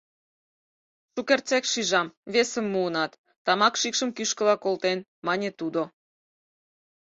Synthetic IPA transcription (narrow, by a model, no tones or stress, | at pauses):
ʃukert͡sekʃiʒɑmβesə̆mːuːnɑt̪ːɑmɑkʃikʃə̆mkyʃkə̆lɑkolt̪en | mɑnʲet̪ud̪o